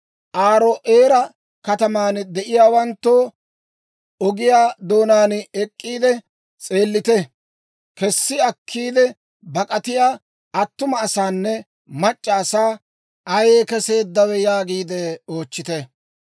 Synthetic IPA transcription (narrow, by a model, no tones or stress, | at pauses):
ʔaːɾoʔeːɾɐ | kɐt̪ɐmaːnd̪ɛʔɪjaːwɐnt̪ːoː | ɔɡɪjaːd̪o̞ːnaːnɛkʼːiːd̪ɛ | t͡sʼe̞ːlːɪt̪ɛ | kɛsːɪɐkʰːiːd̪ɛ | bɐkʼɐt̪ɪjaː | ʔɐt̪ːʊmɐːsaːnːɛ | mɐt͡ʃʼːɐːsaː | ɐjeːkɛse̞ːd̪ːɐwɛjaːɡiːd̪ɛo̞ːt͡ʃːɪt̪ɛ